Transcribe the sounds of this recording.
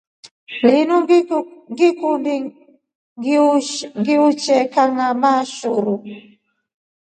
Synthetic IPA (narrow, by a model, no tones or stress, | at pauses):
linuŋɡikumbi | ŋɡiuŋɡiut͡ʃɛkaŋamaʃuɾu